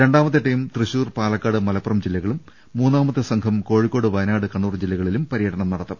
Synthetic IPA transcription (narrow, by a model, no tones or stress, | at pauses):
ɾe̞ɳɖaːmɐt̪ːeʈːɐjumt̪rɨɕuːrpaːlɐkːaːɽɨmɐlɐpːrɐmd͡ʑilːɐɣɐɭumː | uːnːaːmɐt̪ːɨsɐŋkʰɐmko̞ːɻikːo̞ːɽɨʋɐjnaːɽɨkɐɳːuːrd͡ʑilːɐɣɐɭilumpɐɾijɐʈɐɳɐmnɐɽɐt̪ːɐm